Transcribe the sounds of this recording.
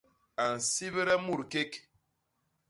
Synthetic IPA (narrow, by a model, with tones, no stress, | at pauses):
a˨n̩˨si˦βɾɛ˦mu˦˨ɾke˦k